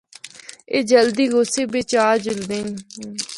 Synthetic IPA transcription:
eːd͡ʒəld̪iːɡoːseːbet͡ʃaːɾd͡ʒʊld̪eːnː

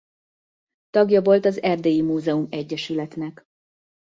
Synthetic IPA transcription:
t̪ɒɡjɒvo̞lt̪ɒzɛrd̪eːjimuːzɛumɛɟːɛʃylɛt̪nɛk

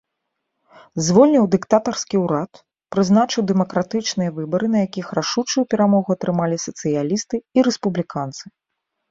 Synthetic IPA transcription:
zvɔlʲnʲiwd̪ɨkt̪at̪ɐrskʲiwɾat̪ | pɾɨzn̪at͡ʂɨwd̪ɛmɐkɾat̪ɨt͡ʂnɨjɐvɨbɐɾɨnɐjakʲixɾaʂut͡ʂujupʲɛɾamɔɣuɐt̪ɾɨmalʲisɐt̪sɨjalʲist̪ɨiɾɛspublʲikant̪sɨ

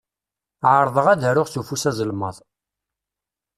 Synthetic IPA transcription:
ʕəɾˤðˤəʁæðəɾʊʁθufusæzəlməðˤ

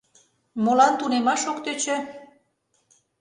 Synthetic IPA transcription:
molɑnt̪unemɑʃokt̪øt͡ɕĕ

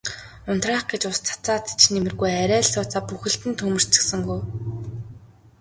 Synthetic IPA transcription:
ʊn̥t̪raːχɡet͡ɕʊst͡sʰḁt͡saːt̪i̥t͡ɕnemɘ̆rɣujæɾʲæːɮsʊːt͡saːpuxɘ̆ɬt̪ɘ̆nt̪ʰɵmɘ̆r̥t͡sɘ̆ksɘ̆ŋɡuj

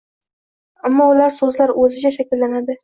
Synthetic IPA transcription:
amːɒʊlaɾsɵzlaɾɵzɪd͡ʒʲaʃakʲɪlːanad̪ɪ

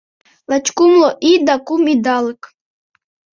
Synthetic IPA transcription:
lˠat͡ʃkumloʔid̪akumid̪alɨk

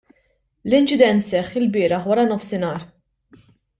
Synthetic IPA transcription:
lɪnt͡ʃɪd̪ɛnt̪sɛχːɪlbɪːɾɐħwɐɾɐnɔfsɪnɐːɾ

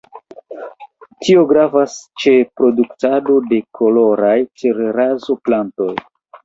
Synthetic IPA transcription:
tʰio̞ɡɾavast͡ʃe̞pɾo̞duktado̞de̞kʰo̞lo̞ɾajt͡ʃeɾeɾazo̞planto̞j

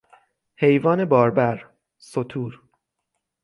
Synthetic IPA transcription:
he̞jvɒːne̞bɒːɾbæɾ | sot̪ʰuːɾ

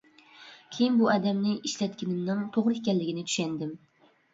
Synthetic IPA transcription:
kʲʰejɪnbʊʔad̪amnɪɪʃlat̪kʲɪnɪmnɪŋt̪ʰoʁɾɪɪkʲanlɪɡʲɪnɪt̪ʰʊ̥ʃand̪ɪm

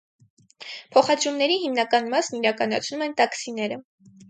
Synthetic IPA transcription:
pʰɔχɑd̪ɾumnɛɾihimnɑkɑnmɑsniɾɑkɑnɑt͡sʰnumɛnt̪ɑksinɛɾə

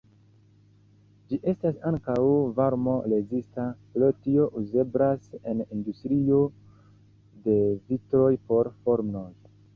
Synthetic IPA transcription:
d͡ʒiʔe̞stasaŋkawvaɾmo̞le̞zistaplo̞tio̞ʔuze̞bɾase̞nindustɾio̞ | de̞vitɾo̞jpo̞ɾfo̞ɾmno̞j

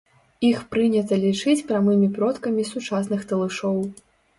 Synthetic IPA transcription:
ixpɾɨnʲɐt̪ɐlʲit͡ʂɨt͡sʲpɾʲamɨmʲipɾɔt̪kɐmʲisut͡ʂas̬n̪ɨxt̪ɐlˠɨʂɔw

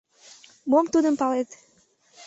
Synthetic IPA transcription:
momt̪ud̪əmpɑlet̪

